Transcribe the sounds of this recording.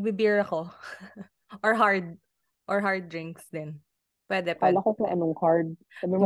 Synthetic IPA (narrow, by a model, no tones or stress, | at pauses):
bɪbiɹɐko̞ | ʔɔɹɦaɹd̪̚ | ʔɔɹɦaɹd̪̚ɹɪŋksd̪ɪn | pwɛd̪ɛpalakokɐʔɐnoŋkaɹd̪̚sabɪm